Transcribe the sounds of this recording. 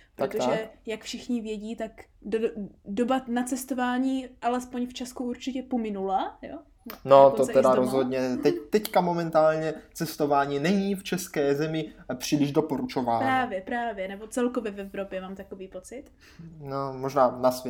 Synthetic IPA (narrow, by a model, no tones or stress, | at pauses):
pɾok̪oʒɛjakfʃɪxɲɪvjɛɟiːt̪akdodobanat͡sɛst̪o̞vaːɲiːʔalɛspoɲft͡ʃaskuuɾt͡ʃɪcɛpomɪnulajo̰ | not̪oɛdaɾozɦodɲɛt̪ɛt̪ɛckamomɛnt̪aːlɲɛt͡sɛst̪o̞vaːɲiːnɛɲiːft͡ʃɛskɛːzɛmɪpr̝̥iːlɪʒdopoɾut͡ʃo̞vaːnɾaːvjɛpɾaːvjɛnɛbo̞t͡sɛlkovjɛvɛvɾo̞pjɛmaːmt̪akoviːpo̞t͡sɪt̪ | nomoʒnaːnasvjɛ